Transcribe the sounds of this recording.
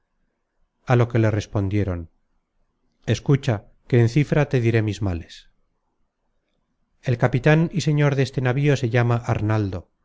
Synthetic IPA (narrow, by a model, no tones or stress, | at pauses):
alo̞ke̞le̞re̞spo̞nd̪je̞ɾo̞n | e̞skut͡ʃa | ke̞ːnθifɾat̪e̞ðiɾe̞mizmale̞s | e̞lkapit̪anise̞ɲo̞ɾðe̞st̪e̞naβio̞se̞ʝamaʔaɾnald̪o̞